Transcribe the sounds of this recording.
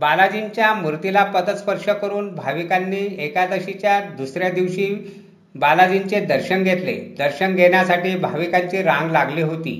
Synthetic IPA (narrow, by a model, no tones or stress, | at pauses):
balad͡ʑint͡ɕjamuɾt̪ilapəd̪ət̪spəɾʂəkəɾuːnbʱaʋikanːiːekad̪əɕit͡ɕjad̪usɾjad̪iʋɕiː | balad͡ʑint͡sed̪əɾɕənɡʱet̪lḛd̪əɾɕənɡʱeɳjasaʈiːbʱaʋikaɲt͡ɕiɾãŋɡlaɡliːɦot̪ḭː